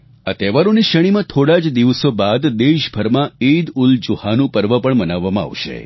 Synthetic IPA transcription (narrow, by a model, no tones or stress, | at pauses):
a̰t̪eʋaɾõniʃəɽ̃imãt̪ʰoɽad͡ʒd̪iʋəsobad̪d̪eʃbʱəɾmãid̪uld͡ʒuhanũpəɾʋəpəɳmənaʋːamãa̰ʋʃḛ